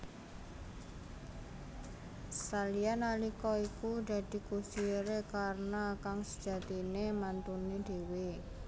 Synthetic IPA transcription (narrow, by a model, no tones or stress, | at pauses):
salijanalikɔikud̪̥ä̤d̪̥i̤kusiɾekarnakaŋsə̥d̥ʒ̥ä̤t̪inemant̪uned̪̥e̤we